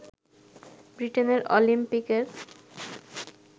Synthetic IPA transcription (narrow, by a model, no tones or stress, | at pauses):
bɾiʈeneɾʔo̰limpikeɾ